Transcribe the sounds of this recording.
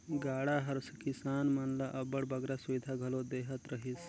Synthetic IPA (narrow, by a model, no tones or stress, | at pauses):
ɡaːɽaɦɐɾskisaːnmɐnlaʔɐbəɽbɐɡɾasuʋid̪ʱaɡʱɐlod̪eːɦət̪ɾəɦis